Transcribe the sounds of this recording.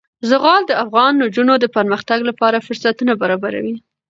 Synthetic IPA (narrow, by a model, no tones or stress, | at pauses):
zəɣɑld̪əafɣɑnːod͡ʒunod̪əpəɾməxt̪aɡlapɑɾafʊɾsat̪unabaɾɑbaɾa̰wi